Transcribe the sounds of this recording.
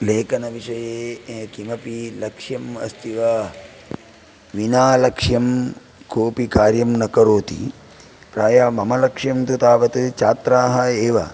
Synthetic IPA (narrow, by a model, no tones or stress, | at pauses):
leːkɐnɐʋiʃɐjeːkimɐpilɐkʂjɐmɐ̰st̪iʋɐ | ʋinaːlɐkʂjɐm | kʰoːpikaːɾjɐmnɐkɐɾoːt̪ḭ | pɾaːjamɐmɐlɐkʂjɐmt̪ut̪aːʋɐt̪ɨt͡ʃaːt̪ɾaːɦɐeːʋɐ̰